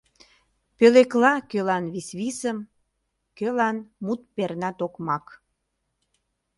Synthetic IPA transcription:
pøleklɑkølɑnβisβisəm | kølɑnmut̪̚pernɑt̪okmɑk

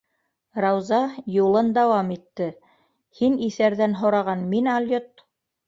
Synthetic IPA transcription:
rɑwzɑjulˠɤnd̪ɑwɑmit̪ːɘ | hiniθæɾðænɦŏɾɑʁɑnminɑlʲjot̪

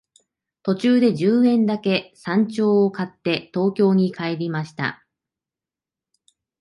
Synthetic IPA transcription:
t̪o̞t͡ɕɨːd̪e̞d͡ʑɨːẽ̞nd̪ake̞sãɲ̟t͡ɕo̞ːokat̪ːe̞t̪o̞ːkʲo̞ːɲ̟ikʰaeɾʲimaɕi̥t̪a̰

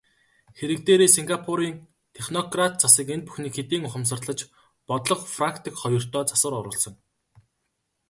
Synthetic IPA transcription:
xeɾɘ̆k̚t̪eːɾeːsiŋɡapʰuɾiːn | t̪ʰeχnɔɡrat̪̚t͡sasiːkent̪̚pu̥xniːkxet̪iːŋʊχə̆ms̬ə̆rt̪ɮə̆t͡ɕ | pɔt̪ɮɞ̆qfraŋkʰt̪ʰikχɔjɞ̆r̥t̪ʰœːt͡sḁsə̆ɾʊɾʊ̰ːɮsɞ̆ŋ

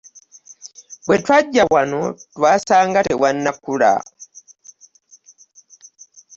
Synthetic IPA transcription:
bwetwaɟːawanotwaːsaːŋɡatḛwanːakula̰

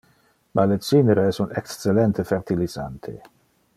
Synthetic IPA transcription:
malet͡sineɾeɛsunekst͡selɛnt̪ʰefeɾt̪iliza̰nt̪ʰḛ

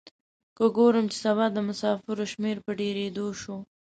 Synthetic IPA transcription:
kəɡoɾəmt͡ʃe̥saβɑd̪əmʊsɑfɪɾoʃmeɾpəɖeɾed̪oʃo

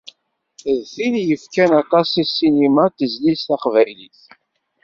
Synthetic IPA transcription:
ðθiljəfkænɑt̪ˤɑsˤisinimat̪əzlisθæqvæjliθ

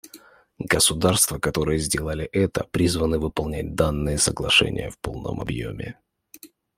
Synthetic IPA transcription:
ɡəsʊd̪arst̪vəkɐt̪o̞ɾɨjəzʲdʲelˠəlʲɪʔɛt̪əpɾʲizvənɨvɨpɐlˠnʲæt̚ʲd̪anːɨjəsəɡlˠɐʂɛ̰nʲɪ̰jəfpo̞lˠnə̰mɐ̰bjo̰mʲɪ̰

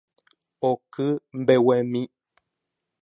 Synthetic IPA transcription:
ɔkɨm̩bɛwɛmĩ

